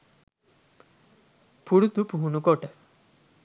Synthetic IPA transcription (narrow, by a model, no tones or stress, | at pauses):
puɽut̪upuɦunukɔʈe